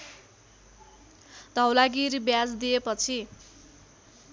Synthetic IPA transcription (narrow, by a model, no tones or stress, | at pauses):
d̪̥ʱʌwlaɡiɾibjad͡zd̪iepʌt͡sʰi